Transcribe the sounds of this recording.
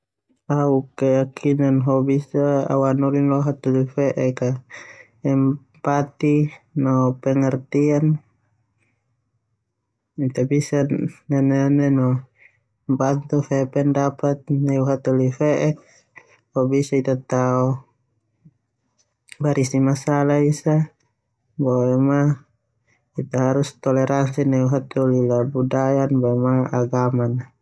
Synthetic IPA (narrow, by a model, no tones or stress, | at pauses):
aukɛjakʰinanɦɔbisaa̰wanulinlɔɦat̪ulifɛʔɛka | ɛm | pat̪inɔpɛŋart̪ian | it̪abisanːanɛnɛnɔ | mbant̪ufɛpɛndapat̪̚nauɦat̪ulifɛʔɛk̚ | bɔbisait̪at̪au | baɾisimasalaisa | bɔɛma | it̪aɦaɾust̪ɔlɛɾansinauɦat̪ulilabudajanbɔɛmaaɡamana